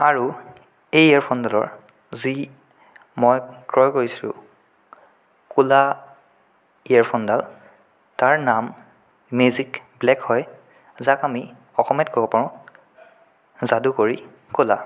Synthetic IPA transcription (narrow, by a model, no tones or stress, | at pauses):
aɹu | ejaɹpʰɔndalɔ̰ɹ | zi | mɔjkɹɔjkoɹisilʊ̰ | kula | iaɹpʰɔndal | taɹnam | mezikblɛkhɔj | zakami | ɔxɔmɛtkʰɔkɔpɔɹɔ̃ | zadukoɹi | kʊla